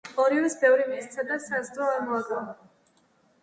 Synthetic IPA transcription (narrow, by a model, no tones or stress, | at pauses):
ɔɾivisbɛvɾimist̪sʰad̪asast̪ʼɔaɾmɔaɡan